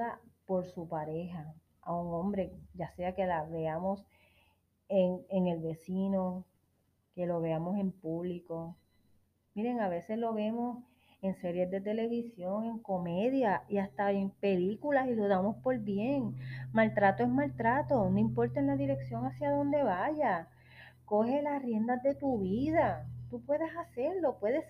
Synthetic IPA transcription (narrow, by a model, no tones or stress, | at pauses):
apo̞ɾsupaɾe̞ɦa | auŋõ̞mbɾe̞ɟ͡ʝase̞ake̞laβe̞amo̞s | eŋeŋe̞lβe̞sino̞ | ke̞lo̞βe̞amo̞se̞mpuβliko̞ | miɾe̞ŋaβe̞se̞slo̞βe̞mo̞s | e̞ŋse̞ɾje̞zd̪e̞t̪e̞le̞βisjo̞ŋe̞ŋko̞me̞ðjaiast̪aempe̞likulasilo̞ðamo̞spo̞ɾβje̞ŋmalt̪ɾat̪oesmalt̪ɾat̪o̞noimpo̞ɾt̪aenlaðiɾe̞ksjo̞ŋasjaðo̞nd̪e̞βaʝa | ko̞he̞lasrje̞nd̪azd̪e̞t̪uβiðat̪upwe̞ðe̞sase̞ɾlo̞pwe̞ðe̞s